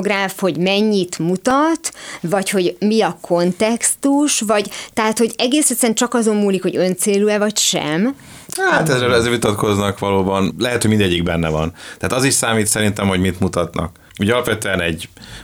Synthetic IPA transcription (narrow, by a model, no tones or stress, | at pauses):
ɡraːfho̞ɟmɛɲːit̪mut̪ɒt̪vɒcho̞ɟmiɒkʰo̞nt̪ɛkst̪uʃvɒɟt̪ɛɦaːt̪ho̞ɟɛɡeːsɛt̪sɛnt͡ʃɒkɒzo̞mːuːlikho̞ɟø̞nt̪seːlyɛvɒcʃɛ̰m | haːt̪ɛzrɛɛzvit̪ɒt̪ko̞znɒkʋɒloːbɒnlɛɦɛt̪hoɟmind̪ɛɟːiɡbɛnːɛvɒ̰nt̪ɛɦaːt̪ɒziʃsaːmiːt̪sɛɾint̪ɛmho̞ɟmit̪mut̪ɒt̪nɒ̰k | uːɟɒlɒpvɛt̪øɛnɛɟ